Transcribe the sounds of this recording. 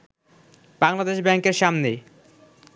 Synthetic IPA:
b̥aŋlad̪eʃbɛŋkeɾʃamne

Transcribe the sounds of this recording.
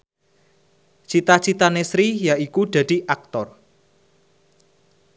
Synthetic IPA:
t͡ʃit̪at͡ʃit̪anesɾijaʔikud̪̥ä̤d̪̥i̤ʔak̚t̪ɔr

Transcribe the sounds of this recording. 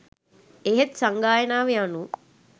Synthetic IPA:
eɦet̪sɐŋɡaːjɐnaːʋejanu

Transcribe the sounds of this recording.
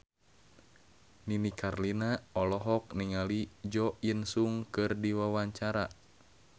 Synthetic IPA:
ninikʰarlinaɔlɔɦɔk̚niŋalid͡ʒɔʔinsuŋkɨrdiwawaɲt͡ʃaɾa

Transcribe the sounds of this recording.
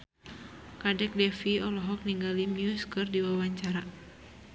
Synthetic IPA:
kadɛk̚dɛfiɔlɔɦɔk̚niŋɡalimjuskɨrdiwawaɲt͡ʃaɾa

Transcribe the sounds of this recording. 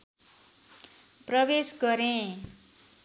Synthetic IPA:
prʌbesɡʌɾẽ

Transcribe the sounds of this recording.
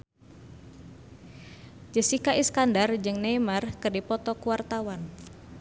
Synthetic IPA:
d͡ʒəsikaʔiskandard͡ʒɨŋnemarkərdipɔt̪ɔkuwart̪awan

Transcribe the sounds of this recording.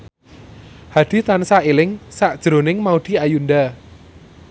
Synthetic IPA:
had̪̥i̤t̪ansailɪŋsaʔd̥ʒ̥ɾo̤nɪŋmaud̪̥i̤ajund̪a

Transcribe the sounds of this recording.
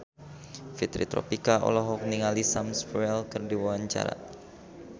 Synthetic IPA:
fit̪ɾḭt̪ɾɔ̰pikaʔɔ̰lɔɦɔk̚niŋalisamspɾɛlkərdiwawaɲt͡ʃa̰ɾa̰

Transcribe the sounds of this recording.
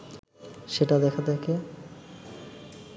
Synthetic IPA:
ʃeʈad̪ɛkʰat̪ʰake

